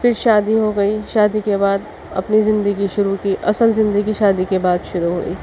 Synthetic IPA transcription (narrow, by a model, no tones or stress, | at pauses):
fɪɾʃaːd̪iɦoɡɐiʃaːd̪ikebaːd̪ | ɐ̰pnizɪ̃nd̪əɡiʃʊɾukiʔɐsəlzɪ̃nd̪əɡiʃaːd̪ikebaːd̪ʃʊɾuɦo̰ːḭː